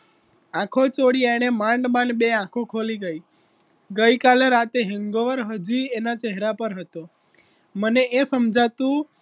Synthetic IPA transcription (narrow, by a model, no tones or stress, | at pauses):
ãkʰot͡ʃoɽieɽ̃emãɳɖbãɳɖbeãkʰokʰoliɡəi | ɡəikaleɾat̪eɦəŋɡoʋəɾɦəd͡ʒienat͡ʃeɦɾapəɾɦət̪o | məneesəmd͡ʒʱat̪ũ